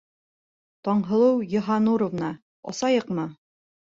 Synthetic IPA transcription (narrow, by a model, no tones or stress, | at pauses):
t̪ɒɴɦɤ̆lˠɤwjŏɦɑnuɾŏvnɑ | ɒ̰sɑjɤqmɤ